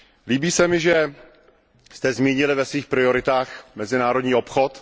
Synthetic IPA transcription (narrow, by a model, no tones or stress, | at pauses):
liːbiːsɛmɪʒɛ | st̪ɛzmiːɲɪlɪvɛsviːxpɾɪo̞ɾɪt̪aːxmɛzɪnaːɾo̞dɲiːo̞pxo̞t̪